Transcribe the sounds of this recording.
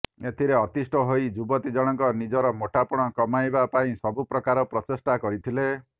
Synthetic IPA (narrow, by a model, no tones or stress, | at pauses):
et̪ʰiɾeɔt̪isʈʰɔɦojd͡ʒubɔt̪id͡ʒɔɽ̃ɔŋkɔnid͡ʒɔɾɔmoʈʰapɔɽ̃ɔkɔmajbapaĩsɔbupɾɔkaɾɔpɾɔtesʈakɔɾit̪ʰile